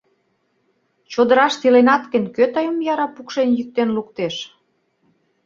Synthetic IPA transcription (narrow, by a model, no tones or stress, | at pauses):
t͡ɕod̪əɾɑʃt̪ilenɑt̪kə̆nʲkøt̪ɑjəmjɑɾɑpukʃenjyk̚t̪enlukt̪eʃ